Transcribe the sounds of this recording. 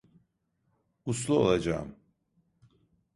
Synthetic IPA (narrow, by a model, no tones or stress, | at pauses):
uslˠuolˠad͡ʒa̰ːm